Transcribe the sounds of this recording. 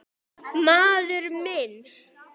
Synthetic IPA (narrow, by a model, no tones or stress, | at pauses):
maːðʏɾmɪn